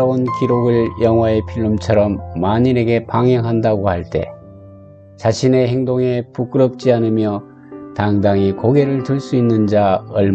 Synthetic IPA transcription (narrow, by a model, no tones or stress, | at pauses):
ʌonkiɾoɡɯɭjʌŋɦwae̞pʰiɭːumt͡ɕʰʌɾʌmːaɲiɾe̞ɡe̞paŋɦjʌŋɦandaɡohaɭt͈e̞̰ | t͡ɕaɕʰine̞ɦeŋdoŋe̞puk͈ɯɾʌp̚t͡ɕ͈ianɯmjʌ | taŋdaŋikoɡe̞ɾɯɭtɯɭs͈uinːɯnd͡ʑaʌɭm